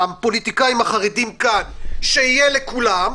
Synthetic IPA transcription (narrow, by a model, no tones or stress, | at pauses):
apo̞lit̪ikaimhaχaʁedimkanʃeijelekulam